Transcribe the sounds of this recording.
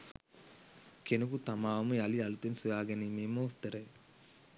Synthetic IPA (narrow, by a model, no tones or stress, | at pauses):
kenukut̪ɐmaːɐmujaliɐlut̪ensujaːɡɐnimeːmoːst̪ɐɾɐj